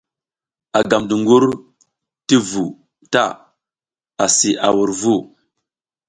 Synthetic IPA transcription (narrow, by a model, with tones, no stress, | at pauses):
a˨ɡa˨mdu˨ŋɡu˦ɾ | ti˦vu˨ | ta˦˨ | a˨si˨ʔa˨wu˨ɾvu˦˨